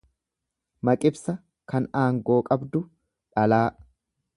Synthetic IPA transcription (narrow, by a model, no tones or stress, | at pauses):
mɐkʼɪbsɐ | kɐnaːŋɡo̞ːkʼɐbd̪ʊ | ᶑɐlaː